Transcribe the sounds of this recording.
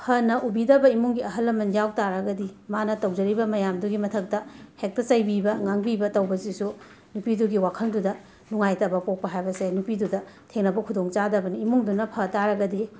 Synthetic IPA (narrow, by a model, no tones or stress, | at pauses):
pʰɐnɐʔubidɐbɐimuŋɡiɐɦɐlːɐmɐnjawtaɾɐɡɐdimanɐtɐwd͡ʒɐɾibɐmɐjamduɡimɐtʰɐk̚tɐhek̚tɐsajbibɐŋaŋbibɐtɐwbɐzisu | nupiduɡiwakʰɐldudɐ | nuŋajtɐbɐpok̚pɐɦajbɐsenupidudɐtʰeŋnɐbɐkʰudoŋt͡ʃadɐbɐniːmuŋdunɐpʰɐtaɾɐɡɐdi